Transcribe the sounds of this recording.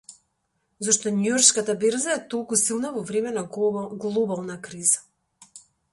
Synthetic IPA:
zoʃt̪ɔnujɔɾt͡ʃkat̪abeɾzaɛt̪olˠkusilˠnavɔvɾɛmɛnaɡlˠɔbalˠnakɾiza

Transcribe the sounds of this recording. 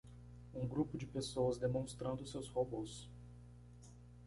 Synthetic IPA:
ũɡɾupʊd͡ʒɪpesowɐzd̪emõst̪ɾɐ̃nd̪ʊsewshobos

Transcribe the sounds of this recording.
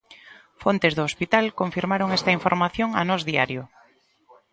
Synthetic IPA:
font̪ezðoospit̪alkoɱfiɾmaɾoŋest̪aiɱfoɾmaθjoŋa̰nɔzðiaɾjʊ

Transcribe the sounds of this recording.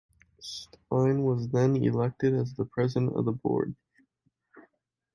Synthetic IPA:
stʰãɪ̃nwʌzðɨ̃nɪ̰lɛk̚tɨɾɨzðəpʰɹ̥ɛzɨ̃ntʌ̰vðəbɔ̰ɹd̚

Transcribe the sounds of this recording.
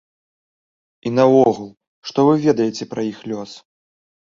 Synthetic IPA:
inɐɔɣulˠ | ʂt̪ɔvɨvʲɛd̪ɐjɛt͡sʲɛpɾɐjixlʲɔs

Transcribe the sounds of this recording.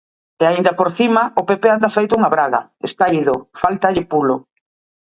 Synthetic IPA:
eaind̪ɐpoɾθimɐʊpepeand̪ɐafejt̪ʊuŋaβɾaɣɐ̰ḛst̪aiðʊfalt̪ɐʎɪpulʊ

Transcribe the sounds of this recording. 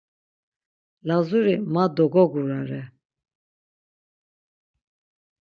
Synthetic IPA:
lazuɾimad̪ɔɡɔɡuɾaɾɛ

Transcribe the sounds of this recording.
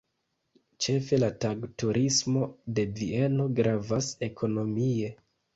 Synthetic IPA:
t͡ʃe̞fe̞lataɡtuɾʔismo̞de̞vie̞no̞ɡɾavase̞kʰo̞no̞mie̞

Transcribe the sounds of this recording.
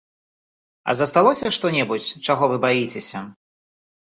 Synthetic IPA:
ɐ̰zɐst̪alˠɔsʲɐʂt̪ɔnʲɛbut͡sʲt͡ʂaɣɔvɨbajit͡sʲesʲɐ

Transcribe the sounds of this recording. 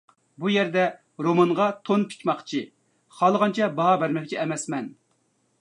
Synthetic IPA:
bujɛɾd̪ɛ | ɾomɑnʁɑt̪ʰonpʰi̥kʲmɑχt͡ʃʰi | χɑlˠəʁɑnt͡ʃʰɛbɑɦɑbæɾmɛk̚ʲt͡ʃʰiɛmɛsmɛn

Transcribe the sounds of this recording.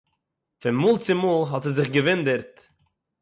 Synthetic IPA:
fɪnmuːlˠt͡sɪmuːlˠɦɔtɛzɪχɡəvɪndəɾt

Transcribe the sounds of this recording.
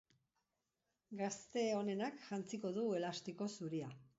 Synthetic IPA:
ɡast̪e̞o̞ne̞nakʝant͡siko̞ðue̞last̪iko̞suɾia

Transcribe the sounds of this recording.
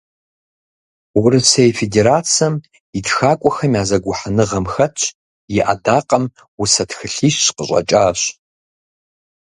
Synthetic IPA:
wʊɾɨsejfedeːɾaːt͡sʰɐm | itxaːkʷʼɔxɐmjaːzɐɡʷʊħanɨʁɐmxɐtt͡ʃʰʼ | jɪʔa̰daːqɐm | wʊsɐtxɨɬiːʃɕqəɕʷʼɐ̰t͡ʃʼaːɕ

